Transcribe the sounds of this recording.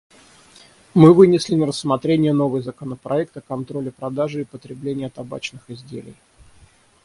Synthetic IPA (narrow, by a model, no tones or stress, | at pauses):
mɨvɨnʲɪsʲlʲɪnəɾəsmɐt̪ɾʲenʲɪjəno̞vɨjzəkənəpɾɐ̰ɛk̚t̪əkɐnt̪ɾo̞lʲɪpɾɐd̪aʐɨːpət̪ɾʲɪblʲenʲɪjət̪ɐba̰t͡ɕnɨxɪzʲdʲḛlʲɪ̰j